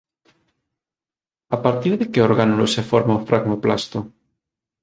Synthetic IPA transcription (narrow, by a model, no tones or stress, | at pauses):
apaɾt̪iɾðekeoɾɣanolosefoɾmaofɾʔaɣmoplast̪o